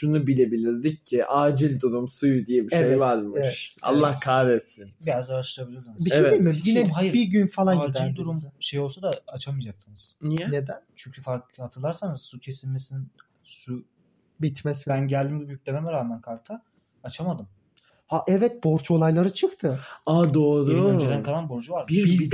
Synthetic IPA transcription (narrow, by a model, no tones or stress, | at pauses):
ʃunubilʲe̞bilʲiɾd̪iccʰːiʔaːd͡ʒilʲd̪uɾumsujd̪ijɛbiʃejjvaɾmɯʃa̰lˠːahkʰaːvɛt̪sinbijazaɾaʃlɾabilʲiod̪uniʃɛdemiehajiɾbiɟynfalˠaad͡ʒilʲd̪uɾumʃe̞jo̞lˠsad̪aat͡ʃʰamɯjd͡ʒaksɯnɯz̥nijɛned̪ænt͡ʃʰyɲcʰyfaɾkhat̪ʰɯlˠaɾsanɯz̥sucʰe̞sinːʲesin | su | bit̪mesibænɟælʲd̪imb̪ubjycʲlʲememɛɾaːnːankʰaɾk̪ʰa | at͡ʃʰamad̪ɯm | haʔɛvɛt̪̚boɾt͡ʃo̞lˠajlˠaɾɯt͡ʃʰɯkt̪ʰɯad̪oːɾød͡ʒed̪ænkʰalˠanbo̞ɾd͡ʒuvaɾiz